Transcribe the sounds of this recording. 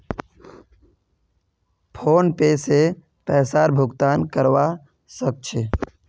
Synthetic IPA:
pʰoːnpeːse | pɛːsaːɾbʱʊɡt̪aːnkəɾʋa | sək̚t͡ʃʰe

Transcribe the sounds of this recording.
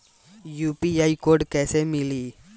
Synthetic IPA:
juːpiɐjkoːɾɖkɛːsemili

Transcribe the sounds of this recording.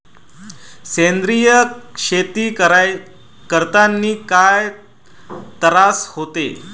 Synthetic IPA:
send̪ɾijəʂet̪iː | kəɾt̪anːiːkaj | t̪əɾashot̪e

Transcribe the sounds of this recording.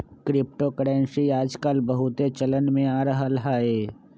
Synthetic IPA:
kɾɪp̚ʈokəɽɛ̃ːnʃiaːd͡ʒkəlbəɦʊt̪et͡ʃələnmẽaːɾɐɦalɐɦaɦɛː

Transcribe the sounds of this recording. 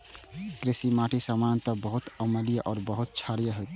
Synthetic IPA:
kɾesimaʈʰisamant̪əbəɦut̪əməlijəʔɔːɾbəɦut̪̚t͡ʃʰaɾijəɦot̪

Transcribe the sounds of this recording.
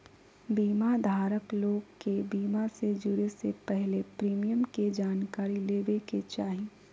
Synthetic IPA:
biːmad̪ʱaːɾəkloːɡkebiːmased͡ʒʊɾesepɛɦlepɾiːmijəmked͡ʒaːnkaːɾileːbeket͡ʃaːɦiː

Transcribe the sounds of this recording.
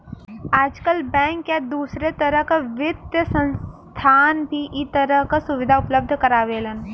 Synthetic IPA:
aːd͡ʒkəlbɛ̃ːŋkjad̪uːsɾet̪əɾəɦkaʋɪt̪jəsə̃ns | t̪ʰaːnbʱiʔɪt̪əɾəɦkasʊʋɪd̪ʱaʊpləb̚d̪ʱkɐɾaːʋeːlən

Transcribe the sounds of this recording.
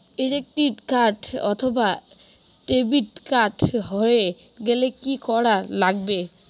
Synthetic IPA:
eɾek̚ʈikaɾʈɔ̰t̪ʰoba | ʈebiʈkaɾʈɦɔeɡelekikɔɾalaɡbe

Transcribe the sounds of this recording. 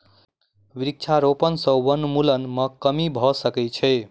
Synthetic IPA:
ʋiɾik̚t͡ʃʰaɾopənsə̃wənmulənməkəmibʱɔsəkɛt͡ʃʰɛ

